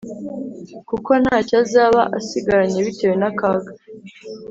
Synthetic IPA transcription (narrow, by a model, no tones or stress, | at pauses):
kuko̞n̥haːcazaːβa̰ʔasiɡaɾaɲeβite̞ːwe̞nakaːɡa